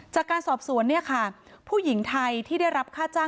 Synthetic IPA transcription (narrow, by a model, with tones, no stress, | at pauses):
t͡ɕaː˨˩kːaː˧nsɔː˨˩p̚su˨˩˦ənːi˥˩ɐkʰa˥˩ | pʰuː˥˩ji˩˦ŋt̪ʰa˧jt̪ʰiː˥˩da˥˩jɾa˦˥p̚kʰaː˥˩t͡ɕaː˥˩